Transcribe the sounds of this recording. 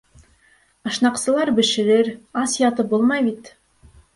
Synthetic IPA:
ɤ̆ʃnɑqsɤ̆lˠɑɾbɘ̆ʃɘ̆ɾɘɾɑsjɑt̪ɤpbulˠmɑjbit̪

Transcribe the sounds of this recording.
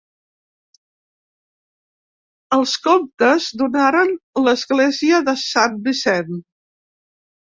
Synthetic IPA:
əlˠskomt̪əzðunaɾənləzɣleziəðəsambisɛn

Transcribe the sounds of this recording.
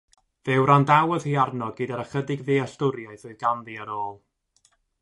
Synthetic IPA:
vɛwɾandawəð̥hiːarnɔɡidaɾəχədɪɡviːastʊɾjaɨθoɨðɡanðiəɾoːlˠ

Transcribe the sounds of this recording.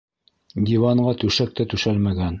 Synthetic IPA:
d̪ʲivɑɴɢɑt̪ʉʃæk̚t̪æt̪ʉʃælmæɡæn

